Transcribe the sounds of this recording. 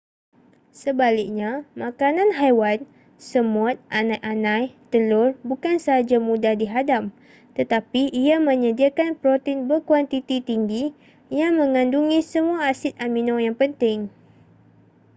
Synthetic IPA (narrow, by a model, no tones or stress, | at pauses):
səbalɪk̚ɲamakanãnɦajwan | səmʊt̪̚ʔanãjʔanãjt̪əlʊrbukansəɦad͡ʒamũdahdiɦadam | t̪ət̪apiːamə̃ɲədiakanpɾot̪einbərkwant̪it̪it̪iŋɡi | jaŋmə̃ŋãnduŋisəmuaːsɪt̪̚amĩnõjaŋpənt̪ɪŋ